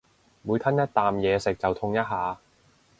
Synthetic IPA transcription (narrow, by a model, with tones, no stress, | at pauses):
muː˨˧jt̪ʰɐ˥njɐ˥t̚t̪aː˨mjɛː˨˧sɪ˨k̚t͡sɐ˨wt̪ʰʊ˧ŋjɐ˥t̚ɦaː˨˧